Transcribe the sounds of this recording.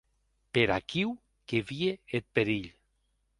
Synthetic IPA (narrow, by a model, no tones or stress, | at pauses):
peɾa̰kiw | keβieet̪̚peɾiʎ